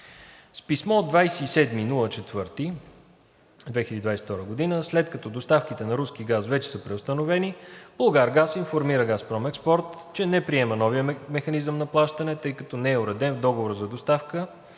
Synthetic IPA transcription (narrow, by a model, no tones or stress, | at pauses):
spismɔd̪d̪vajsɛisɛd̪minulˠət͡ʃɛt̪v̥ɤɾt̪i | d̪vɛxiəd̪id̪vajsɛ̥ft̪ɔɾəɡod̪inəslɛt̪kɐt̪ɔd̪ost̪afkit̪ɛnɐɾuskiɡasvɛt͡ʃɛ̥səpɾɛost̪ɐnovɛnib̥olˠɡaɾɡasinfoɾmiɾəɡaspɾɔmɛkspɔɾt̪t͡ʃɛnɛpɾiɛmənɔvijəmɛxɐnizəmnɐplˠaʃt̪ənɛt̪ɤjkɐt̪ɔnɛɛʊɾɛd̪ɛnvd̪ɔɡovoɾəzɐd̪ost̪afkə